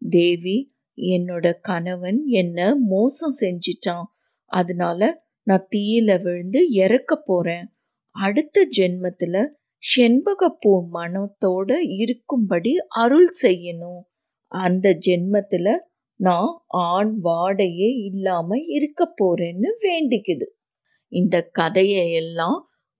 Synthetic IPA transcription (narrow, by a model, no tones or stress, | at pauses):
d̪eːʋi | ɛnːoːɽɐkɐnɐʋɐnɛnːɐmoːsɐ̃sɛɲd͡ʒɪʈːãː | ɐðɐnaːlɐ | nãːt̪iːjɪlɐʋɪɻɯnd̪ɯɪɾɐkːɐpːoːɾẽː | ɐɽɯt̪ːɐd͡ʒɛnmɐt̪ːɪlɐ | ʂɛnbɐɣɐpːuːɾmɐnɐt̪ːoːɽɐɪɾɯkːɯmpɐɽiʔɐɾɯlsɛjːɐnʊ̃ | ɐnd̪ɐd͡ʒɛnmɐt̪ːɪlɐ | nãːʔaːɳʋaːɽɐjeːɪlːaːmɐɪɾɯkːɐpːoːɾeːnːɯʋeːɳɖɪkːɐðɯ | ɪnd̪ɐkɐðɐjɐɛlːãː